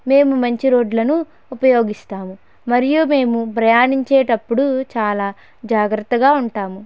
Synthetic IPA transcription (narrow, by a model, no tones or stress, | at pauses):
me̞ːmumɐɲt͡ʃiɾo̞ːɖlɐnuː | pɐjo̞ːɡist̪aːmu | mɐɾijume̞ːmupɾɐjaːniɲt͡ʃeːʈɐpːuɽut͡ʃaːlaː | d͡ʒaːɡɾɐt̪ːɐɡaːuɳʈaːmu